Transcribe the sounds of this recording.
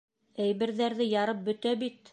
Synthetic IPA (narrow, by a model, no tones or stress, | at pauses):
æjβɘ̆ɾðæɾðɘjɑɾɤp̚bɵ̆t̪æbit̪